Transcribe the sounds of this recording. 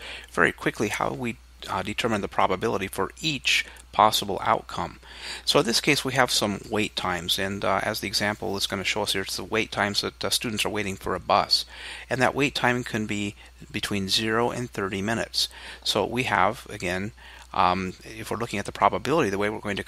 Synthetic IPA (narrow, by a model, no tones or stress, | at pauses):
vɛ̰ɹḭkʰw̥ɪkʰliha̰ʊwi | dɨtʰɜ˞mɨ̃nðəpʰɹ̥ɑbəbɪlˠəɾifə˞it͡ʃ | pʰɑsəbl̩ˠa̰ʊt̚kʰʌ̃m | soʊɨ̃nðɪskʰeɪswiɨv̥sʌ̃mweɪtʰãɪ̃mzɨ̃nɨ̰zðiɨɡzæ̃mpl̩ˠlətsɡ̥ʌnɨʃoʊʌshiɹɨtsðəweɪtʰãɪ̃mzðɨtstʉdⁿn̩tsə˞weɪɾɪ̃ŋfə̰˞ɨbʌ̰sɨ̃nðɨ̰ʔweɪtʰãɪ̃mkʰɨ̃nbi | bɨtʰw̥ĩnzɪɹoʊʔɨ̰̃nθɜ˞ɾimɪ̃nɨ̰tsːoʊwiə̰vɨ̰ɡɛ̃n | ɪfwɨɹlʊkɪ̃ŋɨt̪̚ðəpʰɹ̥ɑbəbɪlˠəɾiðɨweɪwɨɹɡoʊɪ̃ŋtʰɨ